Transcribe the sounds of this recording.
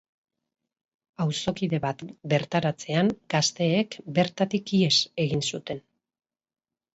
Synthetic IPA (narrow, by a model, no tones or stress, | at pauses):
awso̞kiðe̞βat̪be̞ɾt̪aɾat͡se̞anɡ̥ast̪e̞ːkbe̞ɾt̪at̪ikiese̞ɣinsut̪e̞n